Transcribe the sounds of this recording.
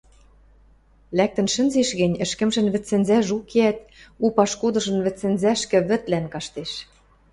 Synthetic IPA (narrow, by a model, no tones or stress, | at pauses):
læk̚t̪ə̆nʃɘ̆nzeʃɣɘ̆nʲɘ̆ʃkɘ̆mʒɘ̆nβɘ̆t͡sːɘ̆nzæʒukeæt̪upɑʃkud̪ɤ̆ʒɤ̆nβɘ̆t͡sːɘ̆nzæʃkɘ̆βɘ̆t̪lænkɑʃt̪eʃ